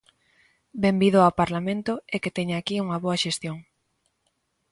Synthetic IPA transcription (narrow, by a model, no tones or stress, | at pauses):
bembiðʊawpaɾlamẽnt̪ʊeket̪eɲaaːkiuŋɐβoɐʃest̪joŋ